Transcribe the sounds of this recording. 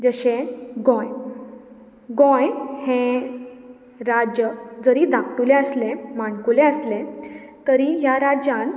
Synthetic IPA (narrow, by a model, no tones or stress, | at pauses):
d͡zəɕẽɡɔ̃j | ɡɔ̃jhẽ | ɾad͡ʑjəd͡zəɾiːd̪akʈulẽəslẽmaɳkuleəslẽt̪əɾiɦjaɾad͡ʑjãn